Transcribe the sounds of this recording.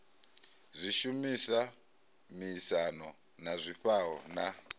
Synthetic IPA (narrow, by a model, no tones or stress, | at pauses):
zʷiʃumisa | miːsanɔ | nazʷiɸaɔna